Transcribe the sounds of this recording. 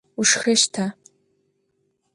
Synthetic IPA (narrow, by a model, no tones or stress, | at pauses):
uʂxɐʃtʰa